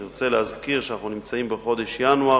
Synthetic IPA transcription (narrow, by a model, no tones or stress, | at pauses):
iʁot͡selehazkiʁʃeanaχnunimt͡saimbeχo̞d̪e̞ʃjanua